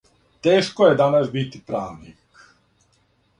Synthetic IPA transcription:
t̪eːʃkojed̪anasbit̪ipɾaːʋnḭk

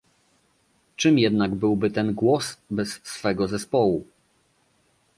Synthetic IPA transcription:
t͡ʂɘmjɛd̪naɡbɘwbɘt̪ɛnɡwɔsbɛsːfɛɡɔzɛspɔwu

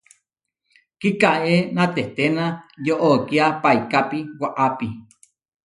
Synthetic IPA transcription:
kikaenãt̪eht̪enãjoʔokiapajkapiwaʔapi

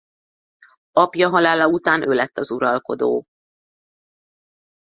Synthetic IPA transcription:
ɒpjɒɦɒlaːlɒut̪aːnʔøːlɛt̪ːɒzuɾɒlko̞d̪o̰ː

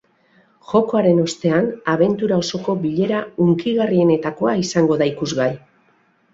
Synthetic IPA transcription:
ʝo̞ko̞aɾe̞no̞st̪e̞anaβe̞nt̪uɾao̞so̞ko̞βiʎe̞ɾauŋkiɣarie̞ne̞t̪ako̞aisaŋɡo̞ðaikuzɣaj

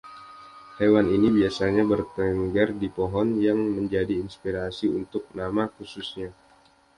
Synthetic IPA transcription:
hewaninibiasaɲabərt̪əŋɡardipoɦɔnjaŋməɲd͡ʒadiːnspiɾasiunt̪ʊk̚namakususɲa

